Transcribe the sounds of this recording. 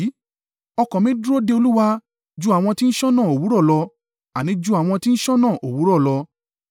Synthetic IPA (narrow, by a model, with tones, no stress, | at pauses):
ɔ˧kɔ̃˨mĩ˦dɾo˦de˧o˧lu˦wa˧ | d͡ʒu˦a˨w̃ɔ̃˧ti˦n̩˦ʃɔ˦nãː˦˨o˨wu˨˦ɾɔ˦˨lɔ˧ | a˨nĩ˨˦d͡ʒu˦a˨w̃ɔ̃˧ti˦n̩˦ʃɔ˦nã˦˨ʔo˨wu˨˦ɾɔ˦˨lɔ˧